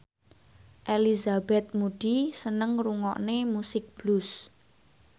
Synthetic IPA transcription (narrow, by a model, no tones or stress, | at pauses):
ʔelizabɛt̪̚muɖ̥isənəŋruŋɔ̰ʔnemusɪk̚b̥lʊs